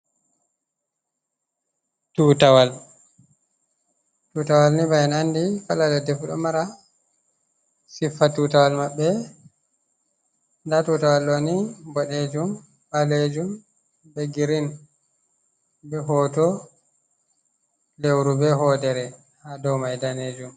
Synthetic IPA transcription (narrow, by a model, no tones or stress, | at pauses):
tuːtawal | tutawalnibaɛnandifaladɔdɛfɗɔ̰maɾa | sifːatutawalmabːɛ | ndatutawalːɔnibɔɗed͡ʒum | baled͡ʒum | bɛɡiɾin | bɛɦɔːtɔ | lewɾubɛɦɔdɛɾɛ | hadɔwmajdaned͡ʒum